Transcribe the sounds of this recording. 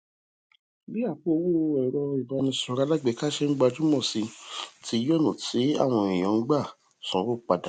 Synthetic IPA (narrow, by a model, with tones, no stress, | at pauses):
bi˦a˦˨k͡po˦˧wu˦˧ɛ˨ɾɔ˧i˨ba˨˧nĩ˧sɔ̃˧ɾa˦la˦ɡ͡be˧˨ka˦ʃɛ˦ŋ̩˦ɡ͡ba˧d͡ʒu˦mɔ̃˦˨si˧tʰi˧˦jɔ˦nũ˨ti˨˦a̰˦˨w̃ɔ̃˧i˨j̃ɔ̃˨˦ŋ̩˦ɡ͡ba˦˨ | sɔ̃˨˦ɾo˦k͡pa˧da˨